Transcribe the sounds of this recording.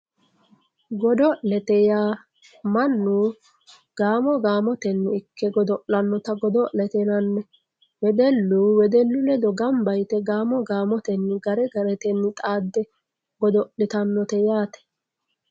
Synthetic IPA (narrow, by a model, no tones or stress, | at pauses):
ɡɔd̪ɔʔlɛt̪ɛjaː | mɐnːuː | ɡ̥aːmɔɡaːmɔt̪ɛnːɪɪkːɛɡɔd̪ɔʔlɐnːɔt̪ɐɡɔd̪ɔʔlɛt̪ɛnɐnːɛ | wɛd̪ɛlːuːwɛd̪ɛlːʊlɛd̪ɔɡɐmbɐjt̪ɛɡaːmɔɡaːmɔt̪ɛnːɪɡɐɾɛɡɐɾɛt̪ɛnːɪt̪ʼaːd̪ːɛ | ɡ̥ɔd̪ɔʔɪt̪ɐnːɔt̪ɛjaːt̪ɛ̥